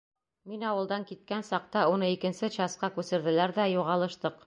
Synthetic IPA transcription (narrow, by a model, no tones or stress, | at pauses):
minɑwɤ̆lˠd̪ɑŋkit̪̚kænsɑq̚t̪ɑunɤikɘ̆nsɘt͡ɕɑsqɑkʉsɘ̆ɾðɘ̆læɾðæjuʁɑlˠɤ̆ʃt̪ɤq